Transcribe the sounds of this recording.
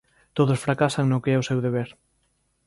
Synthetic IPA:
t̪oðʊsfɾakasaŋnokeɛosewðeβ̞eɾ

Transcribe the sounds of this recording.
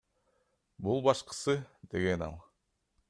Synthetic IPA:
bulˠbɑʃqɯ̥sɯd̪e̞ɡe̞nɑ̰lˠ

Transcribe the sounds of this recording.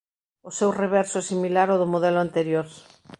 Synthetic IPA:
ʊsewreβɛɾsʊɛsimilaɾoðʊmoðɛlʊant̪eɾjoɾ

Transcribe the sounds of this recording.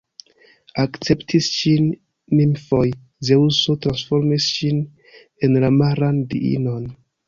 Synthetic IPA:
akt͡septʰisʃinː | imfoj | zeusotɾansfo̞ɾmisʃin | enlamaɾandḭḭnon

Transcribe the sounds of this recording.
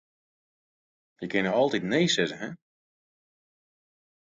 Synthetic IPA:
jəkɪnəɔlˠtitnejsɪzəɦɛ

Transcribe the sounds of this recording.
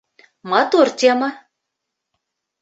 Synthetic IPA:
mɑt̪ort̪ʲemɑ

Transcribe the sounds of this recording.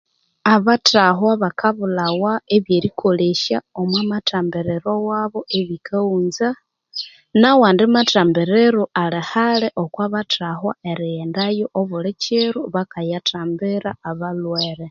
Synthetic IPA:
aβataɦwaβakʰaβulawaeβjeɾikʰoleʃaomwamataːmbeɾeɾowaβoʔeβikʰauːnza | nawaːndimataːmbeɾeɾoʔalehaleʔokwaβatʰaɦwa̰eɾiendajoʔoβulet͡ʃeɾuβakajatʰaːmbeɾaːβalweɾe

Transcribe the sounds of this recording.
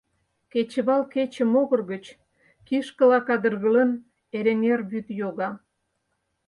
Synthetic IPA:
ket͡ɕəβɑlket͡ɕə̆moɣə̆rɣət͡ɕ | kiʃkə̆lɑkɑd̪ərɣələn | eɾenʲerbyt̪joɣɑ

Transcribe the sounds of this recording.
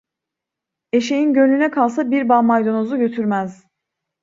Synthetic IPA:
e̞ʃe̞jinɟø̞nlynɛkʰalˠs̬abiɾbamajd̪o̞nozuɟø̞t̪ʰyɾmæz̥

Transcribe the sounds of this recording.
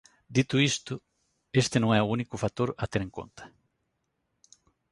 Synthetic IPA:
d̪it̪ʊist̪ʊ | est̪ɪnõŋɛuunikʊfat̪oɾɐt̪eɾeŋko̰nt̪ɐ̥

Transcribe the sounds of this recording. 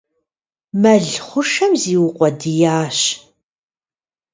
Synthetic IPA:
mɐɮχʷʊʂɐmziːwʊqʷʼɔdɨjaːɕ

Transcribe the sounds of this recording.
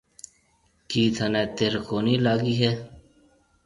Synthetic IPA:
kiːt̪ʰɐneːt̪eɾkoːniːlaːɡiːɦeː

